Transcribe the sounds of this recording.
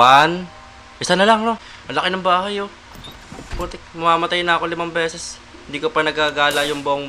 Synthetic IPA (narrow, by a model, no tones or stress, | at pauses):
an | ʔɪsanɐlaŋno | mɐlɐkɪnɐmbaːhajo | pot̪ɛkmɐmaːmɐt̪ajnɐɐko̞lɪmaŋbɛːsɛs | hɪnd̪iːkopɐnɐɡaɡaːlɐjʊŋboʔoŋ